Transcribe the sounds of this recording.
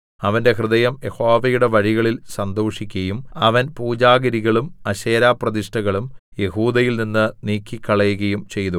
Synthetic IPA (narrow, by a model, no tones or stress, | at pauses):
ɐʋɐnde̞hrɨðɐjɐmje̞ho̞ːʋɐjuɽe̞ʋɐɻiɣɐɭilsɐnd̪oːʂikʲːɐjumɐʋɐnpuːd͡ʑaːɡɐɾiɣɐɭumɐɕeːɾaːprɐðiʂʈɐɣɐɭumje̞huːd̪ɐjilninːɨniːkːikːɐɭɐjuɣɐjumt͡ɕe̞jt̪u